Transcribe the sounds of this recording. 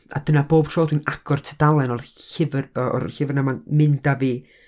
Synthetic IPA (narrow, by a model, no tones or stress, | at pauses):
a̰d̥ənaboːb̥tʰroːdwinaɡ̥ɔrtʰədalˠɛnɔrɪvrɔ̰rhɪvrnamanmɪndaviː